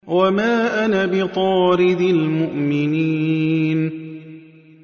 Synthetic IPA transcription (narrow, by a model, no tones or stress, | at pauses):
wamaːʔanabɪt̪ˤɑːɾɪd̪ɪlmʊʔmɪniːn